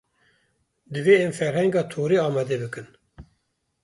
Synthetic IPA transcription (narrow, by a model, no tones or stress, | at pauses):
d̪ɨveːɛmfɛɾhɛŋɡɑːt̪ʰoːɾeːɑːmɑːd̪ebɨkɨn